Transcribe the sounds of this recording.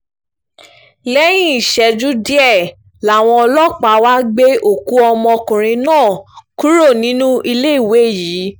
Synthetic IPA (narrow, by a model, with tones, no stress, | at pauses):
lɛ˦j̃ĩ˦i˨ʃɛ˧˨d͡ʒu˦di˦ɛ˦˨ | la˨w̃ɔ̃˧ɔ˧lɔ˦k͡pa˨˦wa˦ɡ͡be˦o˦˨ku˨˦ɔ˧mɔ̃˧kũ˨ɾ̃ĩ˧nãː˦˨ku˦ɾo˦˨nĩ˦nũ˦i˧le˦i˦˨we˨˦˨jiː˨˦